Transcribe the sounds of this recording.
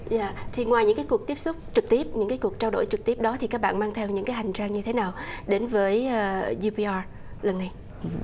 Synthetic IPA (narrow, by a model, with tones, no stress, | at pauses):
za̰ː˧˨t̪ʰi˨˩ŋwaː˨˩jɲɨ̰˧˥ŋkaː˨˦jkək̚t̪i˦˥əp̚sʊ˦˥k͡p̚t͡ɕɨ˨˩k̚t̪i˦˥əp̚ɲɨ̰˧˥ŋkaː˨˦jku˨˩ək̚t͡ɕaː˧wɗo̰˧˩jt͡ɕɨ˨˩k̚t̪i˦˥əp̚ɗɔ˨˦t̪ʰi˨˩kaː˦˥k̚ɓa̰ː˧˨nmaː˧ŋt̪ʰɛ˧wɲɨ̰˧˥ŋkaː˨˦jɦa˨˩jŋ̟t͡ɕaː˧ŋɲɨ˧t̪ʰe˨˦naː˨˩wɗe˨˦nvəː˨˦jːzi˧pi˧a˧ | lə˨˩nːa˨˩j